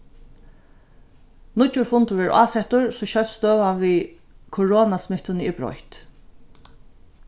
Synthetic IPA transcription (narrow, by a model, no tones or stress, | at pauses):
nʊt͡ʃːʊɾfʊnt̪ʊʋɛɹʔa̰ːsɛt̪ʊɹsɔɕœlst̪øːʋaʋi | kʰʊɹoːnasmɪht̪ʊnəibɾɔ̰jht̪